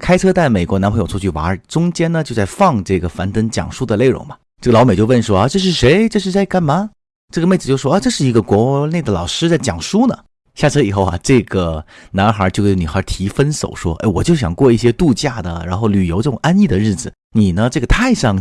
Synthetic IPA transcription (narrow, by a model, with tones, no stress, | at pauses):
kʰa˥ɪʈ͡ʂʰɤ˥t̪a˥˩ɪme˨˩ɪkwɔ˧˥na˧˥pʰɤ˧˥ŋjo˧˥ʊt͡sʰt͡ɕʰy˥˩wa̰˧˥˧ʈ͡ʂʊ˥ŋt͡ɕjɛ˥nnə˨t͡ɕjo˥˧ʊt͡sa˥˧ɪfɑ˥˧ŋʈ͡ʂɤ˥˩ɡə˩fa˧˥nt̪ə˧˥nt͡ɕjɑ̰˨˩ŋʂu˥d̪ə˨˧le˥˩ɪʔʊ̰˧˥ŋbɐ˧ʈ͡ʂɤ˥˩ɡə˩lɑ˧˥ʊme˨˩ɪt͡ɕjo˥˧ʊwə˥˩nʂwɔ˥a˧ʈ͡ʂɤ˥˧ʂ̬ɻ̩˥˩ʂe˧˥ɪʈ͡ʂɤ˥˧ʂɻ̩˥˧t͡sa˥˧ɪka˥˩nma˧˦ | ʈ͡ʂɤ˥˩ɡə˩me˥˩ɪt͡s̩˨˩t͡ɕo˥˧˩ʂwɔ˥a˧ʈ͡ʂɤ˥˧ʂɻ̩˥˩i˧˥ɡə˧kwɔ˧˥ne˥˩ɪd̪ə˩lɑ̰˨˩ʊʂɻ̩˥t͡sa˥˩ɪt͡ɕjɑ˨˩ŋʂu˥nə˨ | ɕja˥˩ʈ͡ʂʰɤ˥i˨˩xo˥˩ʊɐ̰˨˩ʈ͡ʂɤ˥˩ɡə˩na˧˥nxə˞˧˥t͡ɕjkni˨˩xə˞˧˥t̪ʰi˧˥fə˥nso̰˨˩ʊʂwɔ̰˥ʔḛ˥˩ɪwɔ˨˩t͡ɕjo˥˩ʊɕ̬jɑ̰˨˩ŋkwɔ˥˧i˥˩ɕjɛ˥t̪u˥˧t͡ɕja˥˩d̪ə̰˩ɻa˧˥nxo˥˩ʊly˨˩jo˧˥ʊʈ͡ʂɤ˥˩ʈ͡ʂʊ˨˩ŋʔa˥ni˥˩d̪ə˩ɻɻ̩˥˩d͡zɹ̩˩ | ni˨˩nə˦ʈ͡ʂɤ˥˩ɡə˩t̪ʰa˥˧ɪʂɑ˥˧˩ŋ